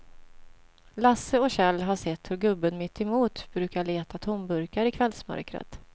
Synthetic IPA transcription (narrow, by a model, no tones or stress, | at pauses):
lasəɔɕɛlːɦaʂɛt̪ːhɵɾɡɵbːənmɪt̪ʰːɪmuːt̪b̥ɾʉ̟ːkaɭeːt̪at̪ʰɔmbɵɾkaɾɪkʰvɛlsmœ̰ɾkɾə̰t̪